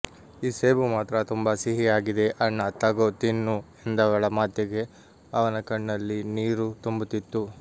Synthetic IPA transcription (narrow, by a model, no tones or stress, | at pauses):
iːseːbumaːt̪ɾɐt̪umbɐsiɦiaːɡid̪e̞ʔɐɳːɐt̪ːɐɡoːt̪inːuend̪ɐʋɐɭɐmaːd̪jɐɡe̞ | ɐʋɐnɐkɐɳːɐlːiniːɾut̪umbut̪it̪ːu